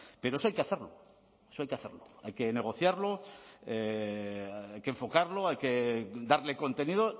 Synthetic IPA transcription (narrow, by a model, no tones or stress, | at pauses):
pe̞ɾoesoajke̞aθeɾlo̞̰ | esoajkeaθeɾloa̰jke̞ne̞ɣ̞o̞θjaɾloe | ajkeɱfo̞kaɾloajked̪aɾle̞kont̪e̞nið̞o̞